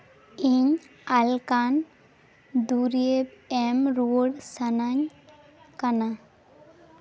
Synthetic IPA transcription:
iɲ | alkan | d̪uɾebɛmɾoɽsanaɲ | kana

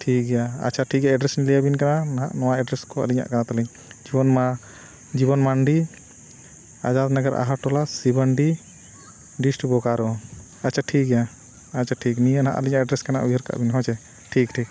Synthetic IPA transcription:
ʈʰik̚ɡɛjaa̰t͡ʃʰaʈʰik̚aɛɖɾɛsnilijabinkananaɦaʔnɔwaɛɖɾɛskɔə̰liɲa̰ʔkanat̪aliɲ | d͡ʒibɔnma | d͡ʒibɔnmaɳɖi | ad͡ʒad̪naɡəɾʔa̰ɦaʈɔlasibəɳɖi | ɖisʈbɔkaɾɔ | at͡ʃʰaʈʰik̚ɡɛja | at͡ʃaʈʰikniənaɦa̰ʔəliɲaʔɛɖɾɛskana̰ʔujəɾka̰ʔbinɦɔ̃t͡ʃʰɛ | ʈʰikʈʰik̚

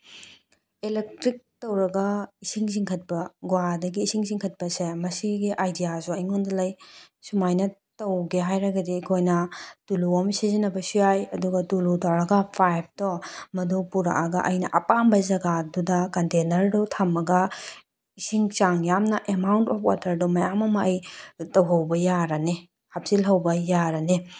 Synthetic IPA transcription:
elek̚tɾik̚tɐwɾɐɡɐisiŋz̬iŋkʰɐt̚pɐɡwadɐɡiːsiŋziŋkʰɐt̚pɐsemɐsiɡiʔajdijasuɐjŋondɐlɐj | sumajnɐtɐwɡeɦajɾɐɡɐdiːkʰojnɐtuluomsizinɐbɐsujajɐduɡɐtulutawɾɐɡɐpʰajp̚dɔmɐdopuɾa̰ʔaɡɐ̰ʔɐjnɐʔɐpambɐzɐɡadudɐkɐntenɐɾdɔtʰamːɐɡɐ | isiŋt͡ʃaŋjamnɐʔemawntɔpʰwa̰tʰɐɾdɔmɐjamɐmɐɐjtɐwɦɐwbɐjaɾɐne | hap̚silɦɐwbɐjaɾɐne

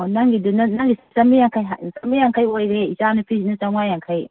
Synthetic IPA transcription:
naŋɡidunɐnaŋɡissɐmijaŋkʰajɦasɐmijaŋkʰajojɾeizanɯpʰisnɐzawŋajaŋkʰaj

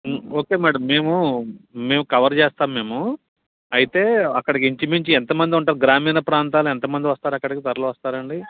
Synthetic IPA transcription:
o̞ːke̞ːmaːɽɐmːe̞ːmume̞ːmukɐʋɐɾt͡ʃɛːst̪aːmːe̞ːmu | ɐjit̪e̞ːɐkːɐɽikiɲt͡ʃimiɲt͡ʃiɛnt̪ɐmɐnd̪iuɳʈaːɾuɡɾaːmiːnɐpɾaːnt̪̬aːluɛnt̪ɐmɐnd̪iʋɐst̪aːɾɐkːɐɽikit̪ɐɾɐluʋɐst̪aːɾɐɳɖi

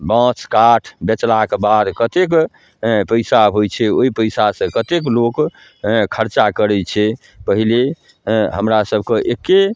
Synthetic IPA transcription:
bãt͡ʃkaʈʰbet͡ʃlakebad̪kət̪ek | pəɪsaɦojt͡ʃʰɛoipəjsasə̃kət̪eklok | kʰəɾt͡ʃakəɾɛt͡ʃʰɛ | pəɦile | ɦə̰mɾasəbʱkeʔeke

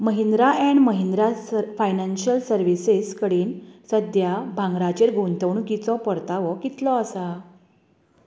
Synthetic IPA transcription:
məɦind̪ɾaʔɛ̃ɳməɦind̪ɾafajnanɕəlsəɾʋiseskəɽiːnsəd̪jabʱãŋɡɾat͡ɕeɾɡʱont̪əwɳukit͡sɔpəɾt̪aʋɔkit̪lɔəsa

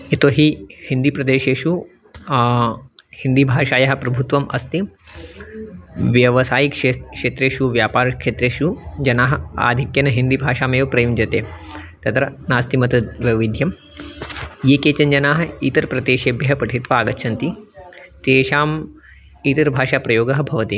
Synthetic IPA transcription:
et̪oːɦihind̪ipɾɐd̪eːʃeːʃu | hind̪ibʱaːʃaːjɐɦɐ̆pɾɐbʱut̪ʋɐmʔɐ̰st̪i | ʋjɐʋɐsaːjikekʂeːt̪ɾeːʃuʋjaːpaːɾɐkʃeːt̪ɾeːʃud͡ʒɐnaːɦɐa̰ːd̪ʱikjɐnɐɦind̪ibʱaːʃaːmeːʋɐpɾɐjumd͡ʒɐt̪eː | t̪ɐt̪ɾɐnaːst̪imɐt̪ɐʋjɐʋid̪ʱjɐm | jeːkeːt͡ʃɐɲd͡ʒɐnaːɦɐ̆it̪ɐɾpɾɐd̪eːʃeːbjɐɦɐpɐʈʰit̪ʋaaːɡɐtːʃʰɐnt̪it̪eːʃaːm | it̪ɐɾbʱaːʃaːpɾɐjoːɡɐɦɐbʱɐʋɐt̪i

